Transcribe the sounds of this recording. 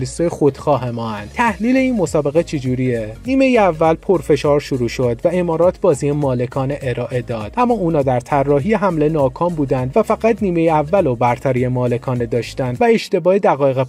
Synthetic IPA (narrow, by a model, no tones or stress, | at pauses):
lisɒjexo̞d̪̥xɒːɦemɒːænd̪̚t̪ʰæhliːle̞iːnmo̞sɒːbe̞ɣet͡ʃʰed͡ʒuːɾieniːme̞jeævːælpʰo̞ɾfe̞ʃɒːɾʃuɾuːʃod̪væe̞mɒːɾɒːt̪ʰbɒːziemɒːle̞kʰɒːne̞ʔeɾɒːʔe̞d̪ɒːd̪̥ʔæmːɒːuːnɒːd̪æɾt̪ʰærːɒːɦijeɦæmle̞nɒːkʰɒːmbuːd̪ænd̪væfæɣæt̪niːme̞jeævːælobæɾt̪ʰæɾijemɒːle̞kʰɒːne̞d̪ɒːʃt̪ænd̪væe̞ʃt̪e̞bɒːed̪æɣɒːjeɣe